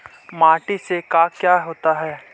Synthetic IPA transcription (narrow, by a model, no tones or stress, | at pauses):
maːʈisekaːkjaːɦoːt̪aɦɛː